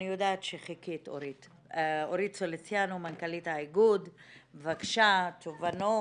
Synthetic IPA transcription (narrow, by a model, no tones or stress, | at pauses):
ijodaːt̪ʃeχikito̰ɾit | oɾitsolet͡sjanumankalithaiɡudvakʃat̪ovano